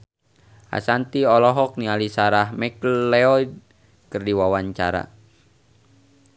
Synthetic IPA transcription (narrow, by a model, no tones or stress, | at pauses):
ʔa̰sant̪iɔlɔɦɔk̚nialisaɾahmɛkllɛɔid | kɨrdiwawaɲt͡ʃaɾa̰